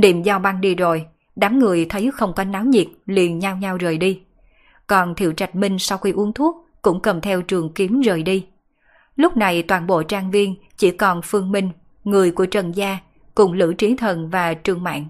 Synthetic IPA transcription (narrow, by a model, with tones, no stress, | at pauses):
ɗḭ˧˩mzɔ˧ɓa˧nɗi˧zo˨˩j | ɗaː˨˦mŋɨ˨˩əjt̪ʰə˨˦jxə˧wŋ͡mkɔ˧˦nnaː˨˦wɲi˨˩t̚lḭ˧˨ənɲa˧wɲa˧wzəː˨˩jɗi˧ | kɔ˨˩nt̪ʰḭ˧˩əwt͡ɕa˨˩jt̚mï˧ŋ̟sa˧wxi˧ʔu˨˦əŋt̪ʰu˦˥ət̚kʊ̰˧˥ŋ͡mkə˨˩mt̪ʰɛ˧wt͡ɕɨ˨˩əŋki˨˦əmzəː˨˩jɗi˧ | lʊ˦˥k͡p̚na˨˩jt̪waː˧˩nɓo̰˧˨t͡ɕaː˧ŋvi˧ən | t͡ɕḭ˧˥kɔ˨˩nfɨ˧əŋmï˧ŋ̟ | ŋɨ˨˩əjku˧˩ət͡ɕə˨˩nzaː˧ | kʊ̰˧˩ŋ͡mlɨ̰˧˥t͡ɕi˨˦ənt̪ʰə˨˩nvaː˨˩t͡ɕɨ˧˩əŋma̰ː˧˨n